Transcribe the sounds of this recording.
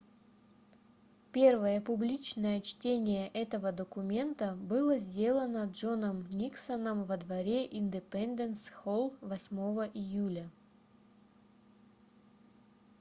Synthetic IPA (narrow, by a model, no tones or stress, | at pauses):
pʲe̞rvəjəpʊblʲit͡ɕnəjət͡ɕtʲenʲɪjəʔɛt̪əvəd̪əkʊmʲe̞nt̪əbɨlˠəzʲdʲe̞lˠənəʐonəmnʲiksənəmvəd̪vɐɾʲeʔɪnʲd̪ɪpɛnd̪ənsxolˠvɐsʲmo̞vəʔɪjulʲə